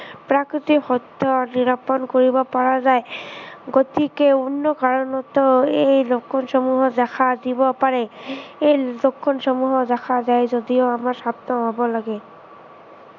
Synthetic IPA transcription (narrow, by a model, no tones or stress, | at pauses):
pɹakɹitikhɔtːɔniɹapɔnkoɹibɔpaɹazajɡotikeunːɔkaɹɔnɔtɔejlokʰːɔnsɔmuɦɔzaxʰadibɔpaɹɛejlokʰːɔnsɔmuɦɔzaxʰazajzodioamaɹsabnɔɦɔbɔlaɡɛ